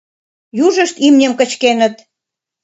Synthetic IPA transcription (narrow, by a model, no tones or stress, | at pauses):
juʒə̆ʃt̪imnʲə̆mkə̆t͡ɕkenə̆t̪